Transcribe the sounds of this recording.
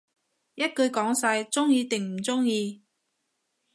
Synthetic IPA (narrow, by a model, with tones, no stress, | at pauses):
jɐ˥t̚kɵ˧ɥkɔː˨˥ŋsɐ˧jt͡sʊ˥ŋjiː˧t̪ɪ˨ŋm̩˨˩t͡sʊ˥ŋjiː˧